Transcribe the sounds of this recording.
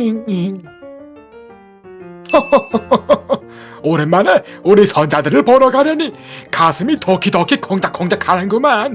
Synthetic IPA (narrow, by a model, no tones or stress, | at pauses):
inin | oɾenmːaneuɾisʰʌnd͡ʑadɯɾɯɭpʌɾʌɡaɾjʌnikasʰɯmitokʰidʌkʰikoŋdak͈oŋdakʰanɯnɡɯman